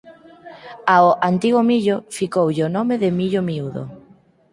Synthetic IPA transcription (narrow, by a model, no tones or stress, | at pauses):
aoʔant̪iɣomiʎofikowʎonomeðemiʎomiuðo̰